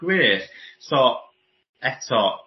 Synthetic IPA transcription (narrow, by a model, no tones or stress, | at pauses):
wɪːɾsɔ | ɛtʰɔ